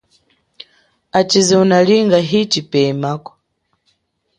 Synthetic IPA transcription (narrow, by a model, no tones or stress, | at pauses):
at͡ʃiziunaliŋɡaɦit͡ʃipɛmakɔ̥